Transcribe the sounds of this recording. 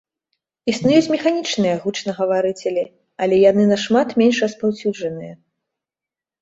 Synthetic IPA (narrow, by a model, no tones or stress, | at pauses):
isnujut͡sʲmʲɛxanʲit͡ʂnɨjɐɣut͡ʂnɐɣɐvaɾɨt͡sʲɛlʲi | ɐlʲɛjanɨnɐʂmat̪mʲenʂrɐspawsʲud͡ʐɐnɨjɐ